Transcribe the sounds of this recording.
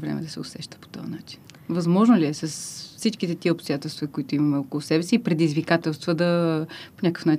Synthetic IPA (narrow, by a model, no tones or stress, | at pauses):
vɾɛ̰mɛ̰d̪ɐsɛʊsɛʃt̪ə̥po̥t̪ɔ̰nat͡ʃinvɐzmɔʒnoliɛsɐsfsit͡ʃkit̪ɛt̪iəopst̪ʊjat̪ɛlˠst̪vɐkoit̪oimɐmɛɔkolˠʊsɛbɛsiːpɾɛd̪izvikat̪ɛlˠst̪vəd̪ɐponʲakə̥fnat͡ʃ